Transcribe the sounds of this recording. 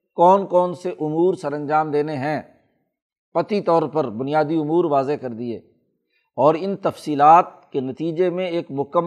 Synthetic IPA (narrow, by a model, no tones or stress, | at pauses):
kɔːnkɔːnseʔʊmuːɾsɐɾə̃nd͡ʒaːmd̪eːneɦɛ̃ | pɐt̪it̪ɔːɾpɐɾbʊnɪijaːd̪iʊmuːɾʋaːzekɐɾd̪iḛː | ɔːɾɪnt̪ɐfsiːlaːt̪̚kenɐt̪iːd͡ʒemẽeːkmʊkəm